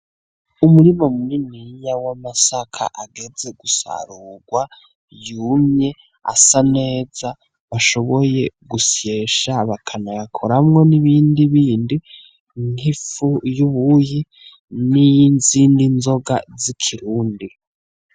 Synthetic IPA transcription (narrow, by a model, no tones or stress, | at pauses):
umuɾimomuniniɲawamasakʰa̰ʔaɡe̞ze̞ɡusa̰ɾuːɡwa | jumɲe̞ | a̰sane̞ːza | βaʃo̞βoje̞ɡusje̞ʃaβakʰanajakʰoɾamŋo̞niβiːndiβiːndi | ŋ̥hifujuβuji | nijinziːndinzo̞ɡa̰zikʰiɾuːndi